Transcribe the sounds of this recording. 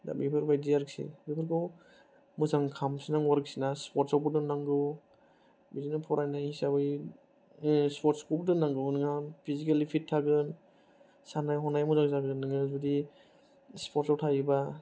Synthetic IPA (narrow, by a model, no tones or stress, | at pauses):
da̰bipʰɯɾbajdiaɾɯk̚sḭbipʰɯɾkɯw | muzaŋkʰamsinaŋwaɾɯk̚sinaspɔɾtsawbudɯnːaŋɡɯw | bizinapʰɔɾʔajnajisabɯj | spɔɾtskubudɯnaŋɡɯwnɯŋapʰizikalipʰitʰːaɡɯn | sanajɦɔnajmuzaŋzaɡɯɯnɯŋɯzudi | spɔɾtsawtʰajiba